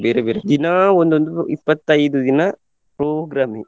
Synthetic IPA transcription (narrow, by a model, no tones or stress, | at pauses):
ʋeːɾeʋeːɾed̪inaɔnd̪ɯʋɐnd̪ɯipːɐt̪ːɐjðɯd̪ina | pɾoːɡɾaːmi